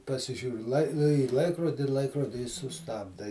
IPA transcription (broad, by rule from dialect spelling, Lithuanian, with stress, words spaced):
pɐsʲɪˈʒʲuːrʲɪ lˠɐɪ iː ˈlˠɐɪkroːdʲɪ ˈlˠɐɪkroːdʲɪ ɪ sʊˈstɑːbdɐ ɪ